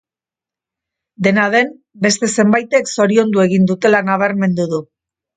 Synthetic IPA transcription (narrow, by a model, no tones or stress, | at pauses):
d̪e̞naðe̞m | be̞st̪e̞se̞mbajt̪e̞kso̞ɾio̞nd̪ue̞ɣ̞ind̪ut̪e̞lanaβ̞aɾme̞nd̪uðu